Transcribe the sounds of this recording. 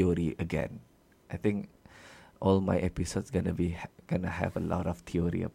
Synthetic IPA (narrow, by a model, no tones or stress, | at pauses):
oɹiʔəɡɛ̰̃n | ʔajt̪ɪ̃ŋk | ʔɔlma̰jʔɛpisotsɡɔ̃nəbiɡ̥onəɦɛ̰vəlɔ̰ɾɔft̪ʰioɹḭə̰